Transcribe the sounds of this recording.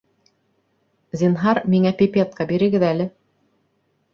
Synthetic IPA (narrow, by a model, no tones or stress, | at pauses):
zʲinɦɑɾmiŋæpʲipʲet̪̚kɑbiɾɘ̆ɡɘðælɘ